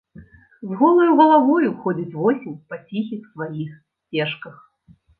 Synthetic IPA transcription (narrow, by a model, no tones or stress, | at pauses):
zɣɔlˠɐjuɣɐlˠavɔjuxɔd͡zʲit͡sʲvɔsʲimʲpat͡sʲixʲixsvajixsʲt͡sʲɛʂkɐx